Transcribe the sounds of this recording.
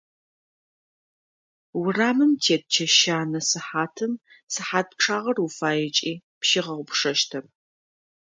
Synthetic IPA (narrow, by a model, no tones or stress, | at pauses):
wʊraːmɨmtʰeːt̚t͡ʃʰɐʃaːnɐsɨħaːtʰɨm | sɨħaːt̚p̚ʈ͡ʂʰaːʁɐrufaːjɪt͡ʃʼiː | pʃiʁɐʁʷʊpʂɐʃtʰɐr